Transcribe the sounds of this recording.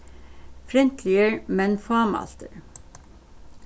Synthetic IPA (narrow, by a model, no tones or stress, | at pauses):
fɾɛnt̪ʰlɪəɹmɛnfɑːmɑ̰lt̪ə̰ɹ